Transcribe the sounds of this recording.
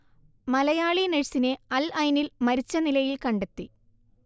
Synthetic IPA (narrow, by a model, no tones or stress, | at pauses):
mɐlɐjaːɭineɻsineɐlɐjnilmɐɾit͡ɕːɐnilɐjilkɐɳɖe̞t̪ːi